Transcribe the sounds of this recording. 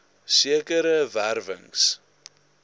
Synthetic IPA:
siəkəɾəværvə̰ŋs

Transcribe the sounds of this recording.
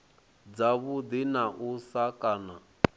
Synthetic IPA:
d͡zaβud̪inaʔusakʼana

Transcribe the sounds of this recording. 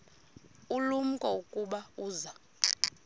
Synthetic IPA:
ulum̩kʼɔukʼuɓauːza

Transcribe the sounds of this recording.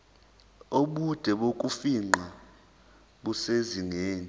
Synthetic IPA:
oɓud̥ʱɛɓokʼufiŋ͡ǃʱa | ɓuseziŋeːni

